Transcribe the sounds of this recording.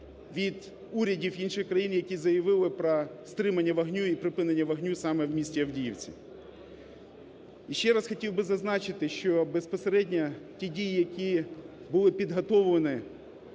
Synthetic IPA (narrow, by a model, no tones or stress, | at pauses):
ʋʲid̪ | uɾʲɐdʲiwinʃɪxkɾɐjinjɐkʲizɐjɐʋɪlˠɪpɾɔst̪ɾɪmɐnʲːɐʋɐɦnʲuipɾɪpɪnenʲːɐʋɐɦnʲusɑmɛwmʲisʲtʲiɐwdʲijiwt͡sʲḭ | iʃt͡ʃɛɾɑsxɔtʲiwbɪzɐznɑt͡ʃɪt̪ɪʃt͡ʃɔbespɔseɾɛdʲnʲɐtʲidʲijijɐkʲi | bʊlˠɪpʲid̪ɦɐt̪ɔwlɐnɪ